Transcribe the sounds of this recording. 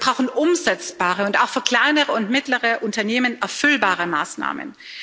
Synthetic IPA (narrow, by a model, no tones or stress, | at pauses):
bʁaʊxn̩ʔʊmzɛt͡sb̥aːʁəʊntaʊxfyːɐkl̥aɪnəʁəʊntmɪtləʁəʔʊntɐneːmənɛɐfʏlbaːʁəma̰ːsna̰ːmə̰n